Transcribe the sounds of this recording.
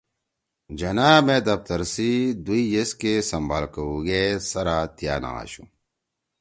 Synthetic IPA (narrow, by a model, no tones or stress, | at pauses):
d͡ʑɐnaːmẽːd̪ɐft̪ɐɾsid̪uijeskesɐmbaːlkɐuɡesɐɾaːt̪ija̰ːna̰a̰ːɕṵ̃